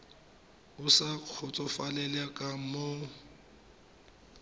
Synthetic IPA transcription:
ʊsaq͡χʰʊt͡sʼɔfalɛlɛkʼamo

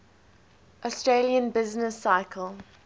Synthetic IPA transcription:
ʔɔstɹeliə̃nbɪznəsːaɪkʰəlˠ

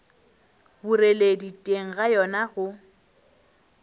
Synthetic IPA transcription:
bureleditʼeŋ̩ɣajɔnaɣʊ

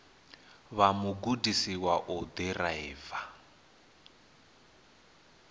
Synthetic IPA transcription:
βamuɡudisiwaʔɔd̪ɛraiːva

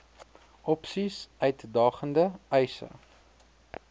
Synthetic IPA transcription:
ɔpsisœɥtdɑːχəndəɛjsə̰

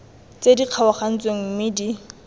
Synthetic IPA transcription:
t͡sediq͡χʰawaχan̩t͡sʼweŋ̩mɪdi

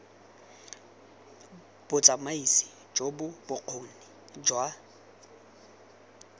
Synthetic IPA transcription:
b̥ʊt͡sʼamaisɪ̥ | d͡ʒobʊbʊq͡χʰoːni | d͡ʒwa

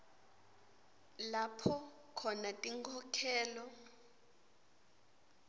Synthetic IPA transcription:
lapʰɔ | kʰɔnatʼiŋkʰɔkʰɛːlɔ

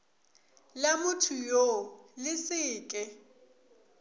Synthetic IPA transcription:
lamʊtʰujolɪsɪːkʼɛ

